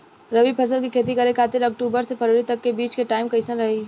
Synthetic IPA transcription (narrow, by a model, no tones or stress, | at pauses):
ɾɐʋipʰɐs̬əlkikʰeːt̪̬ikɐɾekʰaːt̪ɪɾɐk̚ʈuːbəɾsepʰɐɾoːɽit̪ɐkːebiːt͡ʃkeʈaːɪmkɐɪsənɾɐɦiː